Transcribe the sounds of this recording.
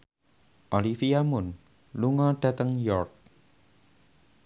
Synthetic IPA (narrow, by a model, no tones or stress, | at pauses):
ʔɔlifiamʊn | luŋɔɖ̥a̤t̪əŋjɔrk̚